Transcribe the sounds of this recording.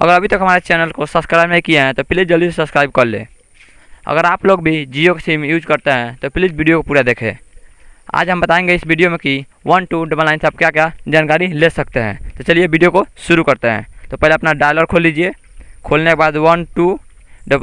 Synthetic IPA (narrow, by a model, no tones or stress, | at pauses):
ə̰ɡəɾəbʱit̪əkɦəmaːɾet͡ʃɛnəlkosəbskɾajbeikijeɦɛ̃t̪ɔpilid͡ʒd͡ʒəld̪isesəbskɾaɪb̚kəɾlḛ | ə̰ɡəɾaːploɡbʱid͡ʒijokesimjud͡ʒkəɾt̪eɦɛ̃t̪ɔpilid͡ʒbiɖijokopuɾad̪ekʰḛ̃ | a̰ːd͡ʒɦəmbət̪aẽŋɡeɪsbʱiɖijomeki | wənʈuɖəbəlnaɪnsəb̚kjakad͡ʒaːnkaɾilesək̚t̪eɦɛ̰̃t̪ɔt͡ʃəliebʱiɖijokosuɾukəɾt̪eɦɛ̰̃t̪ɔpəɦleəpnaɖajlɔɡ̚kʰolːid͡ʒie | kʰolnekebad̪wənʈu | ɖə